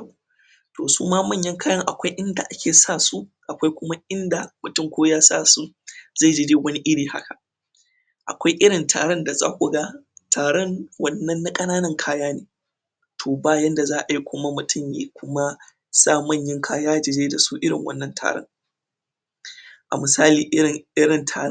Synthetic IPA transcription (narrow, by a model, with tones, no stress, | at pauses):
toː˨suː˦maː˦mɐ˦˨ɲjɐ˦ŋkaː˦jɐ˦ŋʔa˨kʷa˦jʔɪ˦nda˨ʔa˦kʲʰeː˨saː˦˨su˦ʔa˨kʷa˦jkʷʊ˦ma˦ʔɪ˦nda˨mʊ˨tʊ˦mkʷoː˦jaː˦saː˦˨su˦ | za˦˨d͡ʒɪ˨deː˦wɐ˦ni˦ʔɪ˦ɽiː˨ha̰˦kʰa˨ | ʔa̰˨kʷa˦jʔɪ˦ɽɪ˨ntʰa̰ː˨ɽɐ˦nda˨za̰ː˦kʷʊ˨ɡa˦tʰaː˨ɽɛ˦ŋwɐ˦nːɐ˦nːa˦kʼɐ˦naː˦nɐ˨ŋkʰaː˦jaː˦neː˨ | tʰoː˨baː˦˨jɐ˦nda˨zaː˦ʔa˨ji˦kʷʊ˦ma˦mʊ˨tʰʊ˦mjḛː˦kʷʊ˦ma˦ | saː˦˨mɐ˦˨ɲjɪ˦ŋkʰaː˦jaː˦d͡ʒɪ˨deː˦da˨su˦ʔɪ˦ɽɪ̰˨ŋwɐ̰˦nːɐ˦ntʰa̰ː˨ɽɐ̰˦ŋ | ʔa̰˨mɨ˨saː˦liː˨ʔɪ˦ɪ˨ŋʔɪ˦ɽɪ˨ntʰa̰ː˨ɾ